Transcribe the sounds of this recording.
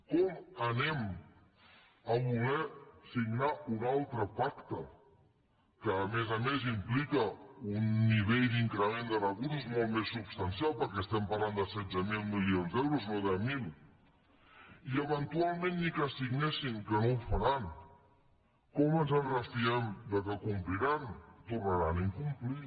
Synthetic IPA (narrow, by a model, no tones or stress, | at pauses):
kɔmənɛm | əβulɛsiɡnaunalˠt̪ɾəpakt̪ə | kəːmɛzəmezimplikəunːiβeʎd̪iŋkɾəmend̪ərəɣuɾuzmɔlˠt̪mesːubst̪ənsialˠpəɾkɛəst̪ɛmpaɾland̪əsɛd͡zəmilˠmilionzd̪ɛwɾuznoðɛmilˠ | iəβənt̪ualˠmẽnːikəsiɡnɛsiŋkənowfaɾan | kɔmənzənɣəst̪iɛmd̪əkəkumpliɾant̪urnəɾaniŋkumpli